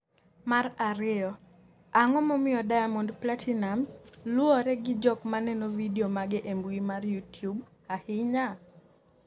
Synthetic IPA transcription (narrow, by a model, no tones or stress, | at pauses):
maɾaɾɪɔ | aŋɔmɔmɪɔdajamondplatʰinamslʊɔɾɛɡɪd͡ʒɔkmanɛnovideomaɡɪʔembimarjutjub | ahɪɲa